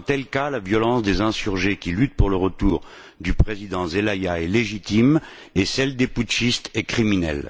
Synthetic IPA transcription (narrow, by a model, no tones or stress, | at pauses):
t̪ɛlkalavjɔlɑ̃sd̪ezɛ̃syʁʒekʲilyt̪̚puʁləʁət̪uːʁ | d̪ypχezid̪ɑ̃zelajaɛleʒit̪im | ɛsɛld̪eput̪ʃist̪ɛkχiminɛ̰l